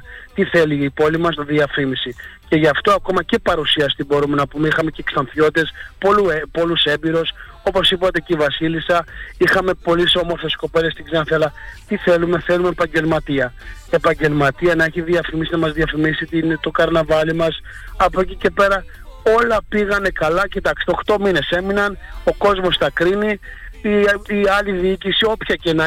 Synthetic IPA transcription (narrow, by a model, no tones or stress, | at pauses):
t̪iθe̞liːpo̞limɐsðiɐfimisice̞ʝɐft̪o̞ɐko̞mɐce̞pɐɾusiɐst̪ibo̞ɾume̞nɐpumeixɐme̞cekst̪ɐnθço̞t̪t̪e̞spoluepo̞luse̞mbiɾo̞s | o̞po̞sipɐt̪e̞ceivɐsilisɐixɐme̞po̞liso̞mo̞ɾθe̞sko̞pe̞le̞st̪iɡzenθeɐlɐt̪iθe̞lume̞θe̞lumeːpɐɲɟe̞lmɐt̪iɐe̞pɐɲɟe̞lmɐt̪iɐnɐe̞çiðiɐfimisinɐmɐzðiɐfimisit̪int̪okɐɾnɐvɐlimɐsɐpo̞cice̞pe̞ɾɐ | o̞lɐpiɣɐne̞kɐlɐcit̪ɐksi̥t̪oxt̪o̞mine̞se̞minɐno̞ko̞zmo̞sθɐkɾini | iɐliðiicisio̞pçɐce̞nɐ